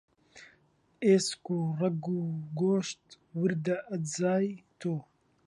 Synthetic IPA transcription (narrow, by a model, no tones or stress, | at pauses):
eːskurɐɡuɡoːʃt̪ | wɨɾd̪ɐʔɐzaːjt̪ʰoː